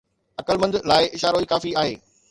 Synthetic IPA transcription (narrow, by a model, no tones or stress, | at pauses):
ɐkəlmɐ̃nd̪laːɪʔɪʃaːɾoiːkaːfiaːɦḛː